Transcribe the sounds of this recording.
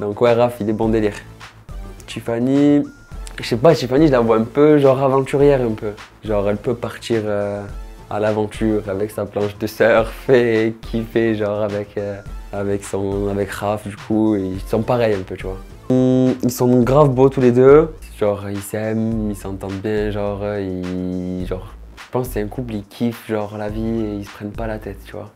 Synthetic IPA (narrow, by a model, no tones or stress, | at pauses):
d̪ɑ̃koɛʁafilɛbɔ̃d̪eliʁ | t̪yfani | ʒʃɛp̬at̪ifaniʒlavwaɛ̃pøʒɑ̃ʁavɑ̃t̪yʁjɛʁɛ̃pø | ʒɑ̃ʁɛlpøpaʁt̪iʁø | a̰lavɑ̃t̪ʰyʁavɛksaplɑ̃ʃd̪əsœʁfɛkʲʰifɛʒɑ̃ʁavɛkʰøavɛksɔ̃avɛkʁafd̪ykʰueisɔ̃paʁɛjɛ̃pøt̪yvwa | milsɔ̃d̪ɔ̃ŋkɡʁavbot̪uled̪ø | ʒ̥ɑ̃ʁilsɛmilsɑ̃t̪ɑ̃d̪bjɛ̃ʒɑ̃ʁiʒɑ̃ʁ | ʒ̥ə̥pɑ̃ssɛɛ̃kuplikʲʰifʒɑ̃ʁlavieisə̥pχɛnpalat̪ɛt̪t̪yvwa̰